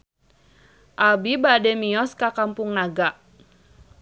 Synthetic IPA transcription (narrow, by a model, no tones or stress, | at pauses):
ʔabibadɛmiɔskakampʊŋnaɡaʔ